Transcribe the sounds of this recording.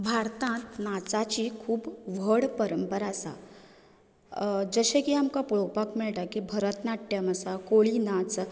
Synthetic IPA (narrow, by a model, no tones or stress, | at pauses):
bʱaɾt̪ãt̪nat͡sat͡ɕikʰuːbʋəɽpəɾəmpəɾasa̰ | d͡zəɕẽkiamkapuɭopakmiɭʈakibʱəɾət̪naʈːjaməsakoɭinat͡s